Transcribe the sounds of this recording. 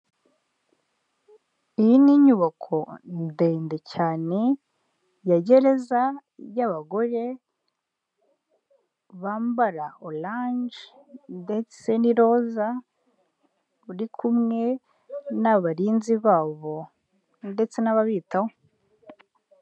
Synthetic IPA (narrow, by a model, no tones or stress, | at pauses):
ijiniɲuβakʰo̞ndeːndecaːne̞ | jaɟe̞ɾe̞zajaβaɡo̞ɾe̞ | βaːmbaɾaolaɲd͡ʒ | nde̞t͡se̞niɾo̞za | uɾikʰumŋe̞ | naβaɾiːnziβaːβo̞ | nde̞t͡se̞naβaβiːtaho